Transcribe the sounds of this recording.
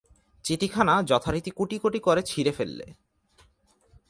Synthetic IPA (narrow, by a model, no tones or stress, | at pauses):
t͡ɕiʈikʰanad͡ʑɔt̪ʰaɾit̪ikuʈikoʈikoɾet͡ɕʰiɾefelːḛ